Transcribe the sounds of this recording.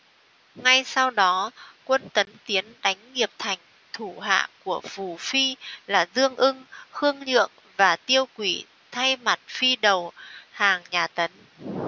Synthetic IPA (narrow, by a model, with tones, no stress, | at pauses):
ŋa˧jsa˧wɗɔ˨˦kwə˧nt̪ə˨˦nt̪i˨˦ənɗa˨˦jŋ̟ŋi˨˩əp̚t̪ʰa˨˩jŋ̟ | t̪ʰu˧˩ɦa̰ː˧˨ku˧˩əfu˧˩fi˧laː˨˩zɨ˧əŋʔɨ˧ŋxɨ˧əŋɲɨ̰˧˨əŋ | vaː˨˩t̪i˧əwkwi˧˩ | t̪ʰa˧jma˨˩t̚fi˧ɗə˨˩whaː˨˩ŋɲaː˨˩t̪ə˨˦n